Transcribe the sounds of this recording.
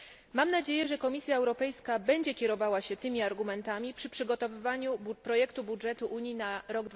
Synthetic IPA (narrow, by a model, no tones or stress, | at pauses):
mamnad͡ʑejɛʐɛkɔmʲisʲjaɛwɾɔpɛjskabɛɲd͡ʑɛkʲɛɾɔvawaɕɛt̪ɘmʲiaɾɡumɛnt̪amʲipʂɘpʂɘɡɔt̪ɔvɘvaɲupɾɔjɛkt̪ubudʐɛt̪uʔuɲjinaɾɔɡd̪